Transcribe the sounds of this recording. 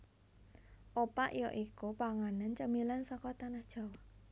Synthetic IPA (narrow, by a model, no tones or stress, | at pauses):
ʔopaʔjɔʔikupaŋanənt͡ʃəmilansɔkɔt̪anahd̥ʒ̥a̤waʔ